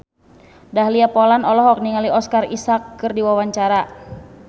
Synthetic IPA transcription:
dahliapɔlanɔlɔɦɔk̚niŋaliɔskarisakːɨrdiwawaɲt͡ʃaɾa

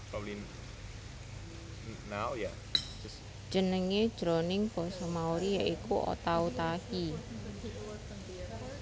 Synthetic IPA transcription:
pɔwlin | naoja | d̥ʒ̥ənəŋed̥ʒ̥ɾonɪŋb̥ɔsɔmauɾijaʔikuʔo̰t̪aut̪ahi

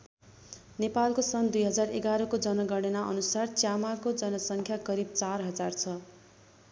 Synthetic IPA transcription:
nepalkosʌnd̪ujɦʌd͡zareɡaɾʌkod͡zʌnʌɡʌɽenaʔʌnusart͡sjamakod͡zʌnʌsʌŋkʰjakʌɾib̚t͡sarɦʌd͡zart͡sʰʌ

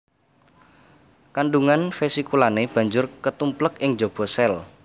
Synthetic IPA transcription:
kanɖuŋanfesikulaneb̥ä̤ɲd͡ʒʊrkət̪umpləkɪŋd͡ʒob̥ɔ̤sɛl

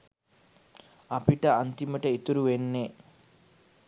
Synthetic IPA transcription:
ɐpiʈɐɐnt̪imɐʈɐit̪uɾuʋenːe

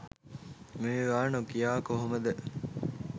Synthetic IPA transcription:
meʋeʋaːnokijaːkoɦoməd̪ə

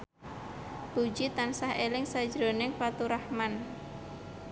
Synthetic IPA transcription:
b̥u̥d͡ʒit̪ansahelɪŋsḁd͡ʒɾonɪŋfat̪uɾahman

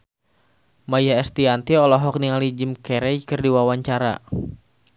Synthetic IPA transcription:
majaɛst̪iant̪iɔlɔɦɔk̚niŋalid͡ʒimkɛɾɛjkɨrdiwawaɲt͡ʃaɾa̰

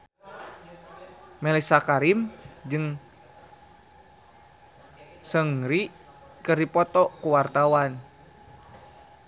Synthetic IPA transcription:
mɛlisakaɾimd͡ʒɨŋ | səŋɾi | kɨrdipɔt̪ɔkuwart̪awan

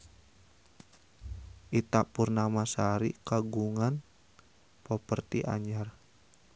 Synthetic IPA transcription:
ʔit̪apʊrnamasaɾikaɡuŋan | pɔpərt̪iʔa̰ɲar

